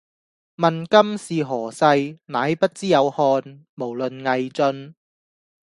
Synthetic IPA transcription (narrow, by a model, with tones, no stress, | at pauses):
mɐ˨nkɐ˥msiː˨˩ɦɔː˨˩sɐ˧jnaː˨˥jpɐ˥t̚t͡siː˥jɐ˨˧whɔː˧n | mo˨˩wlɵ˨nŋɐ˨jt͡sɵ˧n